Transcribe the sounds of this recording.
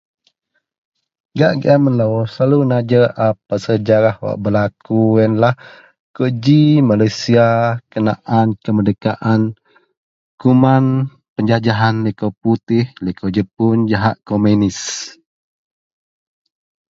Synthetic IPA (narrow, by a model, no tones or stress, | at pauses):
ɡaʔɡḭʔamənlowsalunad͡ʒəap̚əsəd͡ʒaɾahwa̰ʔbəlakujənlah | kud͡ʒimalajsiakənaʔankəmədəkaʔan | kuman | pəɲd͡ʒad͡ʒaɦanlikoput̪ɪhlikod͡ʒəpund͡ʒaɦaʔkomenis